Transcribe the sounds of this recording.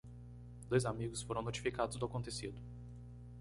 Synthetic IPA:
d̪ojzamiɡʊsfoɾɐ̃w̃not͡ʃi̥fikad̪ʊzd̪ʊakõnt̪esid̪ʊ

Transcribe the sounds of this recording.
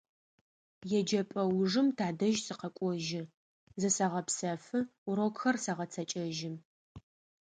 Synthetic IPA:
jɛd͡ʒɐpʼɐwʐɨmtʰaːdɐʒsɨqɐkʷʼɔʒɪ | zɨsɐʁɐpsɐfɨuɾokxɐrsɐʁɐt͡sʰɐt͡ʃʼɐʒɪm

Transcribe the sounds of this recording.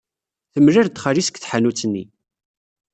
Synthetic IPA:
θəmɾiɾt̪ːχəɾisə̥kθħanut͡sːnːi

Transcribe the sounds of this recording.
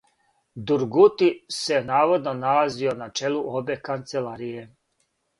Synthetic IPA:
d̪uɾɡut̪isenaːʋo̞d̪no̞nalazio̞nat͡ʃe̞luʔo̞be̞kant̪selaːɾije̞

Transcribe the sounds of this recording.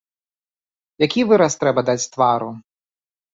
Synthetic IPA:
jakʲivɨɾɐst̪ɾɛbɐd̪at͡sʲt̪vaɾu

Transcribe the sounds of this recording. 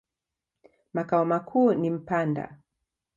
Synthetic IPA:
makaɔmakʰuːnim̩panda̰

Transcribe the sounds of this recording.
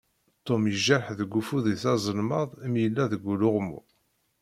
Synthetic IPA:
t̪ˤːomjəʒæɾħðəɡːufuðiθɑzˤəlməðˤmjəlːæðəɡʷːulʊʁmṵ

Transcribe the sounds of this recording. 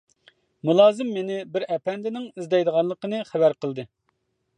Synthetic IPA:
mulˠɑːzɨmːenɪbɪɾɛpɛnd̪ɪnɪŋizd̪ɛjd̪əʁɑnlˠəqənɨχæbæɾqəlˠd̪ɨ

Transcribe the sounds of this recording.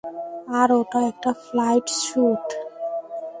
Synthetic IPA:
aːɾot̪aek̚ʈaflajʈʃuːt̪

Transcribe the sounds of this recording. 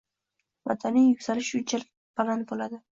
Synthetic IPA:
ma̰d̪anijːʊksalɪʃʊt͡ʃal | b̥alanbolad̪ɪ

